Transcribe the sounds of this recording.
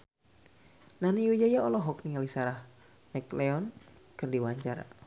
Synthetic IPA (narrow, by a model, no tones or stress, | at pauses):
naniud͡ʒajaɔlɔɦɔk̚nialisaɾah | nɛklɛɔnkɨrdiwaɲt͡ʃaɾa̰